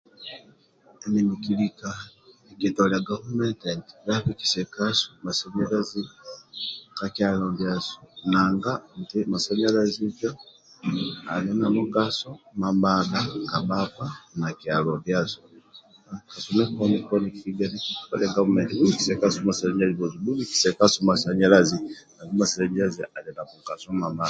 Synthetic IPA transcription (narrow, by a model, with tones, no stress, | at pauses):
enimikilikaekitolaɡaβumententi̥ɾaβiki̥sekaso̥masaɲaɾazi | kakjalombjaso̥naŋɡantimasaɲalazita | a̰˨linamuɡasɔ˦ma˨mba˨ɡa˦ka˨ba˦pa˦na˨ki˨a˨lɔ˨mbja˦sɔ | a˨ka˨sɔ˦mɛ˦kɔ˦ni˦kɔ˦ni˨kifi˦ɡa˦ni˦˨pa˦lɛ˦ŋɡa˦mu˨mɛ˨ti˨bu˦li˦ki˨sɛ˨ka˦sɔ˦ma˨sɛ˨lɛ˦ɲa˦zi˨bɔ˨zi˨bu˦li˦ki̥˨sɛ˨ka˦sɔ˦ma˨sa˨ɲɛ˦la˦zi˨na˨ɡi˦ma˨sɛ˨lɛ˨ɲa˦zi˨ʔa˨lɛ˨na˨mu˨ɡa˨sɔ˦ma˨mba˦˨